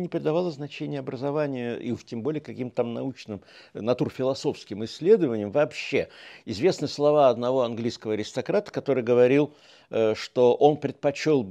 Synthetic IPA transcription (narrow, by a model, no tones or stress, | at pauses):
nʲɪpɾʲɪd̪ɐvalˠəznɐt͡ɕenʲɪjəɐbɾəzɐvanʲɪjəḭtʲembo̞lʲɪjkɐkʲimt̪ət̪amnɐut͡ɕnɨm | nɐt̪urfʲɪlˠɐso̞fskʲɪmɪsʲːlʲe̞d̪əvənʲɪjəmvɐːpɕːe̞ɪzvʲe̞snɨslˠɐvaɐd̪nɐvo̞ɐnɡlʲijskəvəɐɾʲɪst̪ɐkɾat̪ə̥kɐt̪o̞ɾɨjɡəvɐɾʲilˠ | ʂt̪o̞ʔo̞npɾʲɪt̪̚pɐt͡ɕolˠ